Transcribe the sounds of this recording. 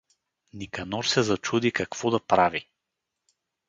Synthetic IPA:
nikɐnɔɾsɛzɐt͡ʃud̪ikakv̥ɔd̪apɾavi

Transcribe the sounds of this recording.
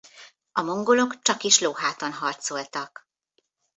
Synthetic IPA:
ɒmo̞ŋɡolo̞kt͡ʃɒkiʃloːɦaːt̪onɦɒrt̪so̞lt̪ɒk

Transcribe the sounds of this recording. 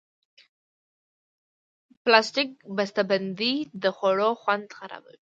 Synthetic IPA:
plastɪk̚bast̪aband̪id̪əxoɽoxwand̪xaɾa̰ba̰wi

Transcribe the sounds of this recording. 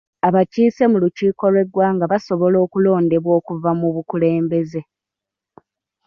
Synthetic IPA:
aβaciːse̞muluciːko̞lwe̞ɡwaŋɡaβaso̞βo̞lo̞ːkulo̞ːnde̞βwo̞ːkuvamuβukule̞ːmbe̞ze̞

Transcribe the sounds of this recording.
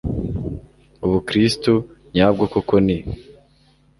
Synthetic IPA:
uβukɾistuɲaːb̚ɡokokoni

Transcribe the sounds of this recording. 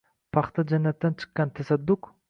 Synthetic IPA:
pʰɑχt̪ʰad͡ʒanːat̪ːant͡ʃʰɨ̥qːɑnt̪ʰasad̪ːʊk

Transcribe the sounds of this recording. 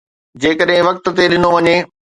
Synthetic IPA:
d͡ʑeːkəɗɦɪ̃ʋɐk̚t̪ʊ̆t̪eɗɪnoʋɐɲeː

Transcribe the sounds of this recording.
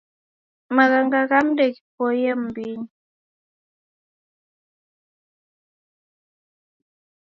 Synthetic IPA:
maɣaŋɡaɣamdeki̥pɔjɛm̩biɲi

